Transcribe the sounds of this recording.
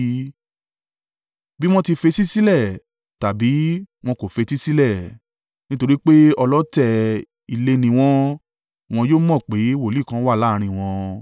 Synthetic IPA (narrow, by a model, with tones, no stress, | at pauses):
bi˦w̃ɔ̃˦ti˧fe˧si˦si˦lɛ˦˨ | ta˨bi˨˦w̃ɔ̃˧ko˨fe˧si˦si˦lɛ˦˨ | nĩ˦to˧ɾi˦k͡pe˦ɔ˧lɔ˦tɛ˧ | i˧le˧nĩ˧w̃ɔ̃˧ | w̃ɔ̃˧joː˦mɔ̃˦˨k͡pe˨˦wo˦˨li˦˨kã˧˦wa˦˨la˦˧ɾ̃ĩ˧˨w̃ɔ̃˧